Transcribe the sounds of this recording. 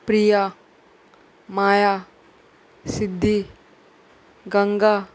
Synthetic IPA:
pɾija | maːja | sɪd̪ʱːi | ɡɐŋɡa

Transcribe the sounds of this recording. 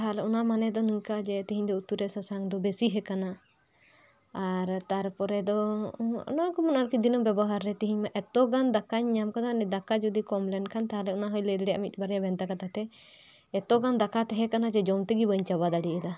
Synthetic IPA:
aɦalɛɔnamanɛd̪ɔniŋkad͡ʒɛt̪iɦiɲd̪ɔut̪uɾɛsasaŋd̪ɔbesiɦɛkana | ɾt̪aɾpɔɾɛd̪ɔɔ̰nɔkɔmɔnaɾkid̪inɔbɛbɔɦaɾːɛt̪iɦiɲmaʔɛt̪ɔɡand̪akaɲːamkad̪anɛd̪akad͡ʒud̪ikɔmlɛnkʰant̪aɦalɛunaɦɔjlɛd̪ɽɛja̰ʔmit̪̚ˀbaɾɛjabɛnt̪akat̪at̪ɛ | ɛt̪ɔɡand̪akat̪ɛɦɛkanad͡ʒɛd͡ʒɔmt̪ɛɡibəɲt͡ʃabad̪aɽiʔɛla

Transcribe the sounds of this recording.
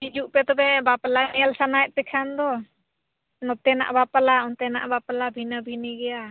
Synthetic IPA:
d͡ʒid͡ʒuʔpɛt̪ɔbɛbapalanɛɛlsanajt̪̚pɛkʰand̪ɔ | nɔt̪ɛna̰ʔbapalaɔnt̪ɛna̰ʔbapalabʱinabʱiniɡɛja

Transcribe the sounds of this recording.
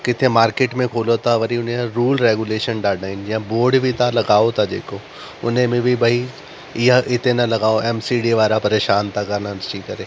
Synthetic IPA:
kɪt̪ʰemaːɾkeːʈmẽkʰoːlot̪ʰaʋɐɾiʊnẽɾuːlɾeːɡuleːʃənɖaːɖaːɪnd͡ʑɪjãboːɾɖbʱit̪ʰalɐɡaːot̪ʰad͡ʒḛːko | ʊ̰nɦẽmẽbʱibɐi | ɪaɪt̪enɐlɐɡaːoɛːmsiɖiʋaːɾapɐɾeːʃaːnt̪ʰakɐɾnanɐʃikɐɾeː

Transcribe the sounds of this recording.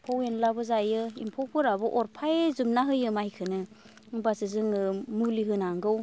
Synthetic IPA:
pʰowenlabɯzajɯḭmpʰɔwpʰɯɾabɯʔɔɾpʰajzumnaɦɯjɯmajkʰɯnɯ | basɯzɯŋɯmuliɦɯnaŋɡɯw

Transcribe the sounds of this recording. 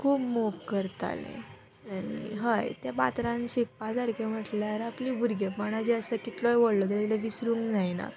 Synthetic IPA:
kʰuːpmokkəɾt̪a̰lḛ̃ | anḭɦəjt̪jabat̪ɾãnɕifpːad͡zaɾkem̤əʈljaɾapliːbʱuɾɡepəɽ̃ad͡ʑiəsəkit̪lɔjʋoɽlɔt̪alleʋisɾũːŋkd͡zajna̰

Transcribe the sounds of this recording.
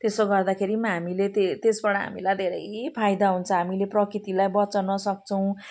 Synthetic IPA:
t̪esoɡʌrd̪akʰeɾimʌɦamilet̪et̪esbʌɽʌɦa̰mḭlajd̪ʱeɾʌjpʰajd̪aɦunt͡sʰʌɦamileprʌkrit̪ilajbʌt͡sʌnʌsʌk̚t͡sʰʌw̃

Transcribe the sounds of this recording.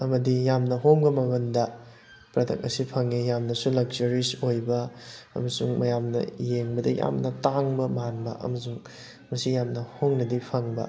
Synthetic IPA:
ɐmɐdijamnɐɦoŋbɐmɐɡɐndɐ | pɾɐtʰɐ̰k̚ɐ̰sipʰɐŋijamnɐsulɐk̚d͡ʒɐɾisojbɐɐ̰mɐsuŋmɐjamnɐ̰jeŋbɐdɐja̰mnɐtaŋbɐmanbɐ̰ʔɐ̰mɐsuŋ | mɐsijamnɐhoŋnɐdipʰɐŋbɐ̰

